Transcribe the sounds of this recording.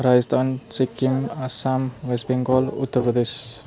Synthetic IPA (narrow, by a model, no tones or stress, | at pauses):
ɾad͡zəst̪ʰant͡ʃikːimasamʋesbiŋkɔlṵt̪ːəɾpɾəd̪es